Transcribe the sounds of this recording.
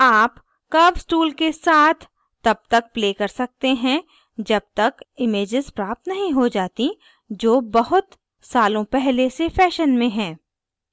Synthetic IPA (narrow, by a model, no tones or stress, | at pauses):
aːp | kɐbsʈuːlkesaːt̪ʰ | t̪ɐb̚t̪ɐk̚pleːkɐɾsɐk̚t̪eɦɛ̃ | d͡ʒɐb̚t̪ɐkɪmeːd͡ʒɪzpɾaːp̚t̪nɐɦĩɦod͡ʒaːt̪i | d͡ʒoːbɐɦʊt̪ | saːlõpɛɦlesefɛːʃənmẽɦɛ̃ː